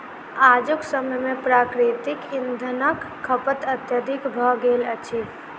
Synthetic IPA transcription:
aːd͡ʒʊksəməjmẽpɾaːkɾet̪ɪkɪnd̪ʱənəkʰːəpət̪ət̪jəd̪ɪkbʱɔɡeːlət͡ʃʰi

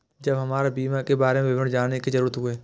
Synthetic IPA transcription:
d͡ʒɐbɦɐmaːɾabiːmakebaːɾemẽʋɪʋənd͡ʒaːnekizəɾuːɾət̪ɦʊeː

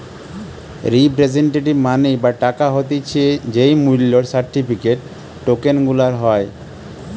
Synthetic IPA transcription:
ɾipɾed͡ʑeɳʈ̬eʈimanejbaʈakaɦot̪̬it͡ɕʰied͡ʑejmulːoɾsaɾʈipʰikeʈ̚ː | okenɡulaɾɦɔe

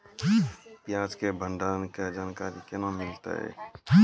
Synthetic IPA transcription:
pjaːd͡ʒkebʱə̃ɳɖaːnked͡ʒaːnkaːɾikenamɪlt̪a̰ɦɛ̰ː

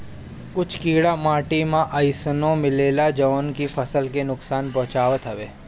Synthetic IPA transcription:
kʊt͡ʃʰkiːɽamaːʈimãʔəjsənõmɪleːlad͡ʒəʋnkifʰɐsəlkenʊksaːnpɔ̃ɦt͡ʃaːʋət̪ɦɐʋeː

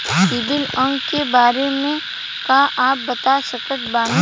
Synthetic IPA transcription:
sɪbɪlə̃ŋɡkebaːɾemẽ | kaʔaːp̚bɐt̪asɐkək̪baːn

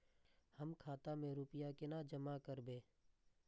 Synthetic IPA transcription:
həmkʰaːt̪amẽɾuːpɪjakenad͡ʒəmakəɾbeː

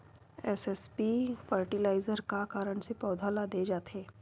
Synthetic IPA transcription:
ɛsɛspifəːɾʈilaːɪzəɾkakaːɾəɽ̃sepɔːd̪ʱaːlad̪eːd͡ʒaːt̪eː

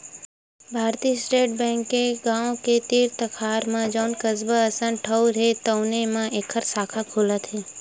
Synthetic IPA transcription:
bʱaɾt̪iːsʈeʈ̚bɛ̃ŋkeɡãõket̪iɾt̪əkʰaɾmãd͡ʒəwnkəzbəəsənʈʰəwɾet̪əwnemãʔekʰəɾsakʰakʰulət̪ʰe

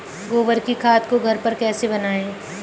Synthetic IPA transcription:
ɡoːbəɾkikʰaːt̪koɡʱɐɾpɐɾkɛːsebɐnaːẽː

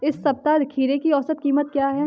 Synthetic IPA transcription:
ɪsːɐb̚t̪ad̪ɪkʰiːɾekiɔːsət̪̚kiːmət̪̚kjaːɦɛː

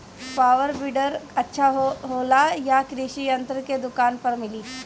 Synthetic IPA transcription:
paːʋəɾbɪɖəɾɐtːʃʰaɦoːlajakɾɪʃiɐ̃nt̪ɾəked̪ʊkaːnpɐɾmɪliː

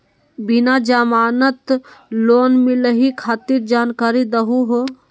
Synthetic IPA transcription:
binad͡ʒamaːnət̪loːnmiləɦikʰaːt̪iɾd͡ʒaːnkaːɾid̪əɦuɦo

